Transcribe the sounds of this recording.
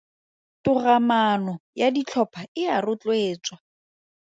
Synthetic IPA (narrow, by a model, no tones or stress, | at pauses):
tʊramanɔjadit͡ɬʰɔpʰaɪarʊt͡ɬʼweːt͡swa